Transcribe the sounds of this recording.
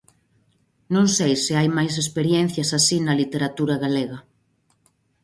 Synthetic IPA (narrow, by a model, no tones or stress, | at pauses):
nõŋsejsɪajmajs̬espeɾjɛn̟θjɐsasinɐlit̪eɾat̪uɾɐɣaleɣɐ